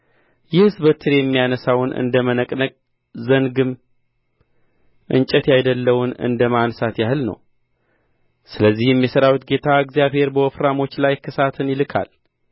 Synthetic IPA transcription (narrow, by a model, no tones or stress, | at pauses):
jɛhɨzbət̪ʰːɨɾejɛmːijanəsawnʔɨ̰nd̪əmənəkʼnəkʼ | zəŋɡɨm | ʔɨ̰nt͡ʃʼət̪jajd̪əlːəwʊnɨ̰nd̪əmansat̪jahɨlnə̰w | sɨləzːihjɛmːjɛsəɾawut̪ɡe̞t̪ʰaɨɡzjaβhe̞ɾbəwɔfɾamo̞t͡ʃːlajkʰɨsat̪ʰɨnjɪlɨkʰa̰l